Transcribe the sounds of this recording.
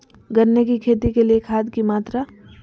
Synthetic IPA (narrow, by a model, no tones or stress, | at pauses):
ɡɐɾnekikʰeːt̪ikeliekʰaːt̪kimaːt̪ɾa